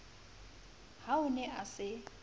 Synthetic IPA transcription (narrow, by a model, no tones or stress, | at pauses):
haʊnɛʔasɪ